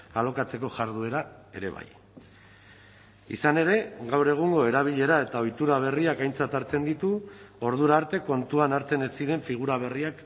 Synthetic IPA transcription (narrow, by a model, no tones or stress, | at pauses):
ɣalo̞kat͡se̞ko̞ʝaɾðue̞ɾae̞ɾe̞̰βa̰j | ḭsane̞ɾe̞ɡawre̞ɣ̞uŋɡo̞e̞ɾaβ̞iʎe̞ɾae̞t̪ao̞jt̪uɾaβ̞e̞riakajnt͡sat̪aɾt͡se̞nd̪it̪uo̞ɾð̞uɾaːɾt̪e̞ko̞nt̪uanaɾt͡se̞nesiɾe̞ɱfiɣ̞uɾaβ̞e̞riak